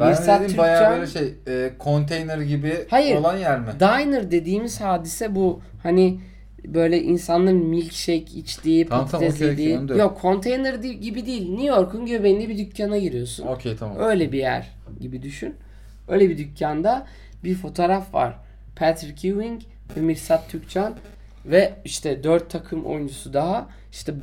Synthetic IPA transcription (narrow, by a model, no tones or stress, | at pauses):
bɛsabajjat͡ʃːaøjlʲɛʃejɛːkʰont̪ʰejnɛɾɟibihajɯɾolˠanjæɾmɪd̪ajnɯɾd̪e̞d̪iːmiz̥haːd̪isɛbu | hani | bø̞jlʲɛʔinsanlˠaɾnmilʲcʃɛjcit͡ʃt̪ʲiːp̪ʰat̪ɛzled̪iːjokʰːo̞nt̪ʰejnɛɾiɟibid̪iːilʲnujo̞ɾkunɟøvenlʲibid̪ycʰːanaɟiɾijo̞sṵnocʰejt̪ʰama̰ø̞jlʲɛbijæ̰ɾ̥ | ɟibid̪yʃyn | øjlʲɛbid̪ycʰːand̪a | biɾfo̞t̪ʰoːɾafva̰ɾ̥ | pʰæt̪ɾcʰuviŋc | vɛmiɾsat̪ʰːyc̚t͡ʃʰan | vɛiʃt̪ʰɛd̪øɾt̪ʰːakʰɯmʔo̰jund͡ʒusud̪aɦa | iʃt̪ʰɛ